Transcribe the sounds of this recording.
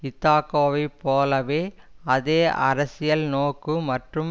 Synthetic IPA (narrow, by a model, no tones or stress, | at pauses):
ɪt̪ːaːkoːʋɐɪpːoːlɐʋeː | ɐðeːʔɐɾɐsɪjɐlnoːkːɯmɐʈrɯm